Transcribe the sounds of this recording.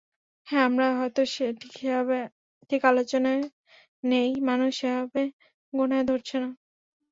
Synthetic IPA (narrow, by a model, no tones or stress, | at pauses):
hɛ̃amɾaɦɔet̪oʃeʈʰi̥keɦabe | t̪ʰikalot͡ɕona | nejmanuʃeɦabe | ɡonaed̪ʱoɾt͡ɕʰina